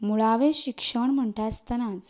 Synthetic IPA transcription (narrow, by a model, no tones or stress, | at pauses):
muɭaʋeɕikʂəɳm̤əɳʈast̪ənãt͡s